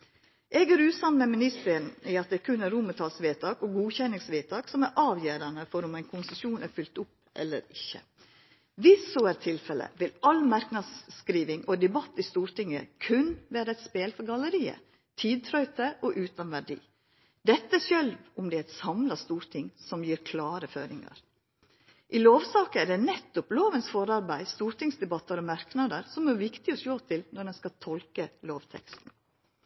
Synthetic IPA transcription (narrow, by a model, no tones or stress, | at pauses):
ʔeːɡæːɾʉːt̪sɑnmɛmɪnɪst̪əɾənɪɑt̪̚d̪ɛɾkʰʉnæɾʊmət̪ʰɑlsʋeːt̪ʰɑːkɔɡuːçɛnɪŋsʋeːt̪ʰɑːksɔmæɾʔɑːʋjøːɾɑnəfɔɾʊmæɪnkʰʊnsəsjuːnʔæɾfʏlt̪ʊpː | ʔɛ̰lːə̰ɾɪçːə̰ | ʋɪsɔæɾt̪ʰɪlfɛlə̰ʋɪlɑlmɑɾknɑd̪skɾiːʋɪŋɔd̪ɛbɑt̪ːɪst̪uːɾt̪ɪŋːə̰kʰʉnʋæːɾəɛt̪speːlfɔɾɡɑləɾiːə̰ | t̪ʰiːd̪̚t̪ʰɾœʏt̪əʔɔʔʉːt̪ɑnʋæɖḭː | d̪ɛt̪ːəsjœlʋʊmd̪ɛæt̪sɑmlɑst̪uːɾt̪ʰɪŋsɔmjiːɾkʰlɑːɾəfø̰ːɾɪŋɑ̰ɾ | ʔɪloːʋsɑːkəæɖɛnɛt̪ːʊploːʋənsfɔɾɑɾbæɪst̪uːɾʈ̪ɪŋsd̪ɛbɑt̪ːəɾɔmɑɾknɑd̪əɾsɔmæɾʋɪkt̪ɪɔsjoːt̪ʰɪlnɔɖɛnskɑt̪ʰɔlkəloːʋt̪ʰɛ̰kst̪n̩